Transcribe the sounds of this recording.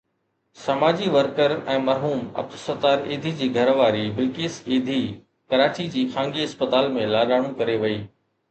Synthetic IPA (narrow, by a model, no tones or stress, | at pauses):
sɐmaːd͡ʑiʋəɾkəɾɛ̃ːmɐɾɦuːmɐ̰b̚t̪sət̪aːɾeːd̪ʱid͡ʑiːɡʱɐɾʋaːɾibɪlkiːseːd̪ʱi | kɐɾaːt͡ɕid͡ʑiːxʰãːŋɡiɐspət̪aːlmẽlaːɗaːɽ̃ũkɐɾeʋɐiː